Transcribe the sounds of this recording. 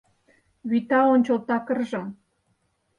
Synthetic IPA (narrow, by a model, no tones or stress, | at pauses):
βit̪ɑonʲt͡ɕolt̪ɑkə̆rʒɤ̆